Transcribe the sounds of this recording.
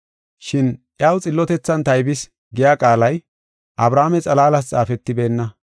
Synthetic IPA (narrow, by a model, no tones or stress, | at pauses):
ʃɪnʔjaːwt͡sʼɪlːɔt̪ɛt͡sːɐnt̪ɐjbɪs | ɡɪjaːkʼaːlɐj | ʔɐbɾaːmɛt͡sʼɐlaːlɐst͡sʼaːfɛt̪ːɪbe̞ːnːɐ